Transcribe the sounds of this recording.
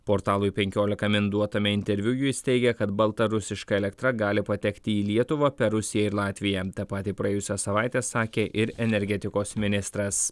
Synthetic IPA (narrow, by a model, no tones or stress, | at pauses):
poːɾt̪ɑːlˠʊɪpʲɛŋʲkʲoːlʲɪkɐmʲɪnd̪uɔt̪ɐmʲɛɪnʲt̪ʲɛɾʲʋʲʊjʊsʲt̪ʲɛɪɡʲɛkɐt̪bɐlˠt̪ɐɾʊsʲɪʃkɐɛlʲɛkt̪ɾɐɡɑːlʲɪpɐt̪ʲɛkt̪ʲɪiːlʲiɛt̪ʊʋɐpʲɛɾʊsʲɪjɛɪɾlˠɑːt̪ʲʋʲɪjɛt̪ɐpɑːt̪ʲipɾɐeːjʊsʲosɐʋɑɪt̪ʲeːsɑːkʲeːʔɪɾɛnʲɛɾʲɡʲɛt̪ʲɪkoːsmʲɪnʲɪst̪ɾɐs